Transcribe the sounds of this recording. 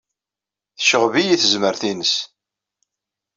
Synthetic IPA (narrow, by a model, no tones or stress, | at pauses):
θəʃəʁvijiθəzməɾθinəs